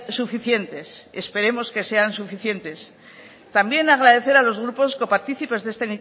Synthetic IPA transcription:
sufiθje̞nt̪e̞se̞spe̞ɾe̞mo̞ske̞se̞ansufiθje̞nt̪e̞s | t̪ambje̞naɣ̞ɾaðe̞θe̞ɾalo̞zɣ̞ɾupo̞sko̞paɾt̪iθipe̞zðest̪eni

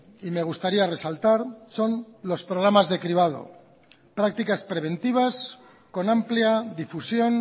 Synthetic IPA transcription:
ime̞ɣ̞ust̪aɾiare̞salt̪aɾso̞nlo̞spɾoɣɾamazðe̞kɾiβ̞að̞o̞̰ | pɾak̚t̪ikaspɾe̞βe̞nt̪iβ̞as | ko̞nampliaðifusjo̞n

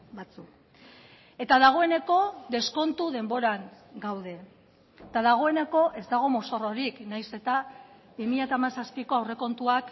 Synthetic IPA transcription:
bat͡suk | e̞t̪aðaɣ̞o̞e̞ne̞ko̞d̪e̞sko̞nt̪uðe̞mbo̞ɾaŋ | ɡawðe̞ | t̪aðaɣ̞o̞e̞ne̞ko̞ʔe̞zd̪aɣ̞o̞mo̞so̞ro̞ɾiknajse̞t̪a | bimiʎat̪aːmasaspiko̞awre̞ko̞nt̪uak

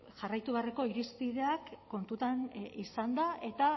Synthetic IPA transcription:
ʝarajt̪uβeareko̞iɾispiðe̞akːo̞nt̪ut̪anisand̪aʔe̞t̪a

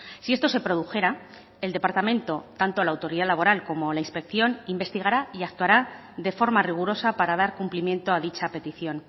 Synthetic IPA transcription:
sie̞st̪o̞se̞pɾo̞ð̞uxe̞ɾa | e̞ld̪e̞paɾt̪amẽnt̪o̞t̪ant̪o̞laːwt̪o̞ɾiðalaβ̞o̞ɾalko̞mo̞lainspe̞kθjo̞nimbe̞st̪iɣ̞aɾaiak̚t̪waɾa | ðe̞fo̞ɾmariɣ̞uɾo̞sapaɾað̞aɾkumplimje̞nt̪oaðit͡ʃape̞t̪iθjo̞n

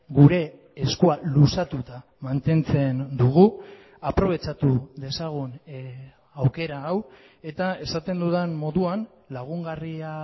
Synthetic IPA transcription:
ɡuɾe̞ː | skualusat̪ut̪a | mant̪e̞nt͡se̞nd̪uɣ̞u | apɾo̞β̞e̞t͡sat̪ud̪e̞saɣ̞un | awke̞ɾaːw | e̞t̪ae̞sat̪e̞nd̪uðenmo̞ðuan | laɣ̞uŋɡaria

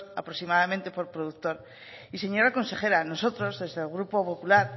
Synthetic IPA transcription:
a̰pɾoksimaðamẽnt̪e̞po̞ɾpɾoðuk̚t̪oɾ | ise̞ɲo̞ɾako̞nse̞χe̞ɾano̞so̞t̪ɾo̞zðe̞zðelɣɾupopopulaɾ

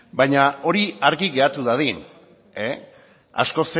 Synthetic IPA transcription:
bajɲao̞ɾiaɾɣiɣe̞at̪uðaðin | e | a̰sko̞se

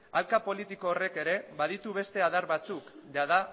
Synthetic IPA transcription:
alkapo̞lit̪iko̞ːre̞ke̞ɾe̞βað̞it̪uβ̞e̞st̪e̞aðaɾβat͡sukʝað̞a

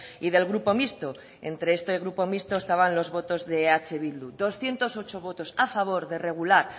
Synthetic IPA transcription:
iðe̞lɣɾupo̞mist̪o | e̞nt̪ɾe̞est̪eɣɾupo̞mist̪o̞est̪aβanlo̞zβo̞t̪o̞zðe̞at͡ʃe̞βild̪ud̪o̞sθjent̪o̞so̞t͡ʃo̞β̞o̞t̪o̞safaβ̞o̞ɾðe̞re̞ɣ̞ulaɾ

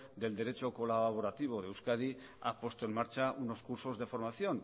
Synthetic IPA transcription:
d̪e̞ld̪e̞ɾe̞t͡ʃo̞ko̞laββ̞o̞ɾat̪iβ̞o̞ðeewskað̞i | a̰pwe̞st̪oe̞nmaɾt͡ʃaʔuno̞skuɾso̞zðe̞fo̞ɾmaθjo̞n

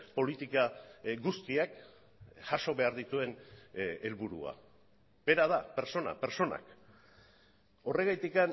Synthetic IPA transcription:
po̞lit̪ikaɡust̪iak | ʝaʃo̞βe̞aɾðit̪ue̞nelβuɾṵa̰ | b̥e̞ɾaðape̞ɾso̞na̰pe̞ɾt͡ʃo̞na̰k | o̞re̞ɣ̞ajt̪ikan

